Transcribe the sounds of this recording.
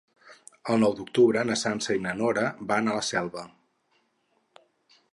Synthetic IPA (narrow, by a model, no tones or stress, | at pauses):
əlˠnɔwd̪uk̚t̪uβɾənəsansəinənoɾəbanələsɛlˠβə